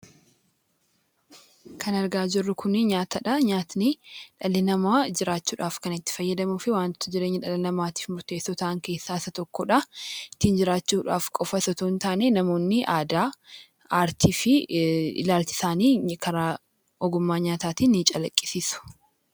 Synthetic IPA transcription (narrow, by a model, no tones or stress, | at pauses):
kʰɐnɐɾɡaːd͡ʒɪrːʊkʰʊnɪɲaːt̪ɐᶑɐɲaːt̪nɪᶑɐlːɪnɐmaːd͡ʒɪɾaːt͡ʃːuːᶑaːfkɐnɪt̪ːɪ̥fɐjːɐd̪ɐmufɪwaːnt̪ːʊd͡ʒɪɾe̞ːɲːɐᶑɐlɪnɐmaːt̪i̥ːfmʊɾt̪e̞ːsːɔt̪ɐʔɐŋke̞ːsːaːsɐt̪ɔkːɔᶑɐɪt̪ːiːnd͡ʒɪɾaːt͡ʃːuːᶑa̰ːfkʼɔfɐsɔt̪oːnt̪aːnenɐmo̞ːnːɪʔaːd̪aː | aːɾt̪ʰiːfɪɪ̰laːlt͡ʃɪ̥saːniːkʰɐɾaː | ʔɔɡʊmːaːɲaːt̪aːt̪iːnːɪt͡ʃʼɐlɐkʼːɪ̥siːsʊ̥